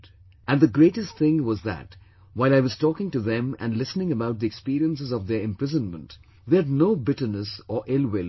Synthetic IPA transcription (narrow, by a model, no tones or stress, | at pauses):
ʔæ̃nðəɡɾeɪʈɨstθɪ̃ŋwʌzðæ̰t | waɪlaɪwʌz̥tɔːkɪ̃ŋtuðɛ̃mæ̰̃nlɪsnɪ̃ŋəbaʊt̪̚ðiɛkspiɾiə̃nsɨzɔvðə˞ɨ̃mpɹɪzə̃nmə̃nt | ðeɨdnoʊbɪʈə˞nəsəʔɪlwɪl